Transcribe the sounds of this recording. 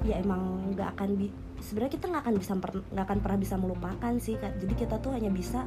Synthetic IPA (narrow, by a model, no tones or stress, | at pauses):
jaemaŋɡa̰ʔkanbi | səbəɾɲakit̪aŋɡakanbisapərŋɡakanpərnahbisaməlupakansɪhkad͡ʒadikit̪at̪ʊɦaɲabisa